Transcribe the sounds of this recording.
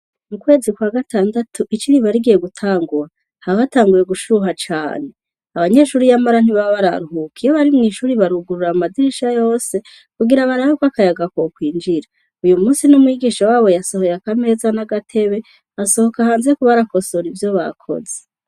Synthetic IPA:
mukwe̞ːzikwaːɡatʰaːndatʰuʔit͡ʃiɾiβaɾiɡije̞ɡutʰaːŋɡuɾa | haββataːŋɡuje̞ɡuʃuɦat͡ʃa̰ːne̞ | aβaɲe̞ːʃuːɾijamaɾan̥iβaβaɾa̰ɾuɦukijoβaɾimŋiːʃuːɾiβaɾuɡuɾuɾamadiɾiʃajo̞ːse̞ | kuɡiɾaβaɾahokwakajaɡakokwiːnd͡ʒiɾa | ujumuːsinumwiɡiːʃawaːβo̞jaso̞ho̞jeakame̞ːzanaɡatʰe̞βe̞ | aso̞ho̞kahaːnzekuβaɾako̞so̞ɾivjo̞βa̰kʰo̞̰ze̥

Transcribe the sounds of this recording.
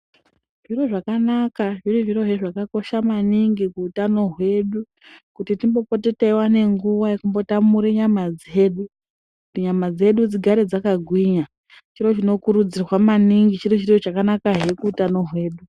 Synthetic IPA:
ʐ̥iro̞ʐakanakaʐiriʐiro̞ɦeʐakako̞ʃamaniŋɡikuːtano̞ɦwe̞ɗu | kutitimbo̞po̞te̞teiwane̞ŋɡuʋajekumbo̞tamuɾeɲamad͡ze̞ːɗu | kutiɲamad͡ze̞ɗud͡ziɡʱaɾed͡zakaɡʱwiɲa | t͡ʃiɾo̞t͡ʃino̞kuɾud͡zirwamaniŋɡit͡ʃirit͡ʃirot͡ʃakanakaɦe̞kuːtano̞ɦwe̞ːɗu

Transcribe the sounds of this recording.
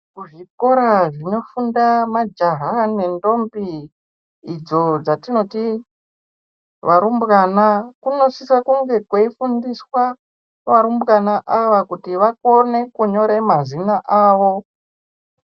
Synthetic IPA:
kuʐiko̞ɾaʐino̞fundamad͡ʒaɦane̞ndo̞mbiː | d͡zo̞d͡zatino̞ti | ʋʔaɾumbɣanakuno̞sisakuŋɡe̞kweifundiswa | ʋaɾumbɣanaʔaʋakutiʋako̞ne̞kuɲo̞ɾe̞mazinaʔaːʋo̞

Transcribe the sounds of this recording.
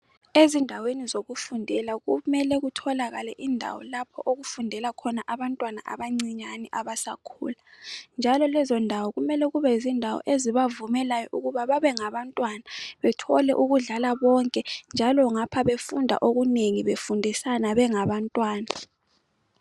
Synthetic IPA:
ezindʱawenizoɣufundʱɛlaɣumɛlɛɣutʰɔlaɣalɛʔindʱa̰wɔ̰lapʰɔʔoɣufundʱɛlakʰɔnaʔaβantʼwana̰ʔa̰βaŋ͡ǀiɲaniʔaβasakʰṵːland͡ʒʱalɔlɛzɔndʱawɔɣumɛlɛɣuβɛzindʱawɔ̰ʔeziβavumɛlajɔʔuɣuβaβaβɛŋaβantʼwanaβɛtʰɔlɛʔuɣuɮalaβɔŋkʼɛnd͡ʒʱalɔŋapʰaβefundʱa̰ʔoɣuneŋiβefundʱisanaβɛŋaβantʼwaːna

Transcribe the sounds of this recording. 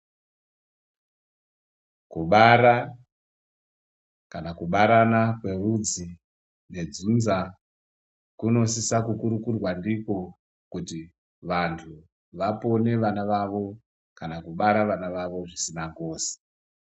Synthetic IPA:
kuɓaɾa | kanakuɓaɾanakwe̞rud͡zi | ne̞d͡zunza | kuno̞sisakukuɾukurwandiko̞ | kuti | ʋantʰu | ʋapo̞ne̞ʋanaʋaʋo̞ | kanakuɓaɾaʋanaʋaʋo̞ʐisinaŋɡo̞ːsi̥

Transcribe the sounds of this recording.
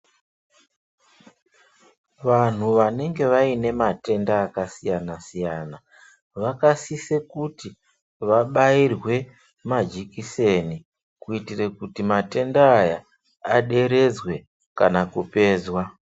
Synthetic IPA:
ʋan̤uʋane̞ŋɡe̞ʋaine̞mate̞ndaːkasijanasijaːna | ʋakasisekuti | ʋaɓairwe̞ | mad͡ʒikise̞ni | kuitirekutimate̞ndaːja | aɗe̞ɾe̞d͡zwe̞ | kanakupe̞ːzwa

